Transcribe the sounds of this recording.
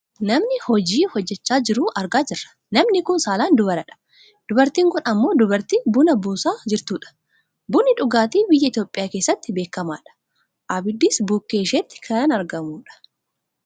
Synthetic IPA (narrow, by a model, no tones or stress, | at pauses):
nɐmnɪhɔd͡ʒiːhɔd͡ʒːɛt͡ʃːaːd͡ʒɪɾuːʔɐɾɡaːd͡ʒɪrːɐ̥ | nɐmnɪkʊnsaːlaːnd̪ʊbɐɾɐᶑɐ̥ | d̪̥ʊbɐɾt̪iːŋkʊnɐmːo̞ːd̪ʊbɐɾt̪iːbunɐbuːsaːd͡ʒɪɾt̪uːᶑɐ̥ | bunɪᶑʊɡaːt̪iːbɪjːɐɪt̪joːpʼːɪjaːke̞ːsːɐt̪ːɪbeːkːɐma̰ːᶑɐ̥ | ʔabɪd̪ːɪsbuːkːe̞ːʃeːt̪ːɪ̥kʰɐjaːnɐɾɡɐmuːᶑɐ̥